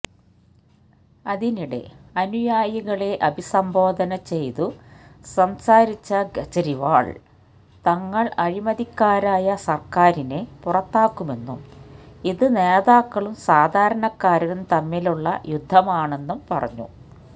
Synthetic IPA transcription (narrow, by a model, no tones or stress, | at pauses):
ɐðiniɽe̞̰ɐnujaːjiɣɐɭe̞ʔɐbʱisɐmbʱo̞ːd̪ʱɐnɐt͡ɕe̞jt̪usɐmsaːɾit͡ɕːɐɡɐt͡ɕːɐɾiʋa̰ːɭ | t̪ɐŋːɐɭɐɻimɐðikːaːɾaːjɐsɐrkaːɾine̞purɐt̪ːaːkːume̞nːumiðɨne̞ːðaːkːɐɭumsaːd̪ʱaːɾɐɳɐkːaːɾɐunt̪ɐmːiluɭːɐ̰jud̪ʱːɐmaːɳe̞nːumpɐrɐ̰ɲːṵ